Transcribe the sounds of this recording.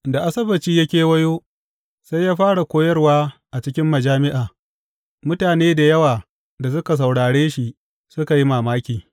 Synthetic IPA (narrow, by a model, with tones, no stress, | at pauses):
da˨ʔa˦sɐ˦bɐ˨t͡ʃiː˦jɐ˦kʲeː˨wɐ˦joː˦ | sa˦jːaː˦ɸaː˦ɽa˨kʷoː˦jɐ˦rwaː˦ʔa˨t͡ʃɪ˦kʲɪ˦mːɐ˨d͡ʒaː˦mɪ˦ʔaː˨ | mʊ˦taː˨neː˦da˨jɐ˦waː˨ | da˨s̬ʊ˦ka˨s̬a˨wɽaː˨ɽeː˦ʃi˨ | sʊ˦ka˨ji˦maː˨maː˦kʲiː˨